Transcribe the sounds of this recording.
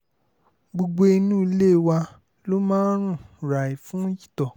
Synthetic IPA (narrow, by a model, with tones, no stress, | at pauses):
ɡ͡bo˧ɡ͡bo˧i˧nũː˦i˧˦le˦˨wa˧ | lo˦mãː˦ɾ̃ũ˦˨ɾa˨i˨fũ˨˦ji˦tɔ˨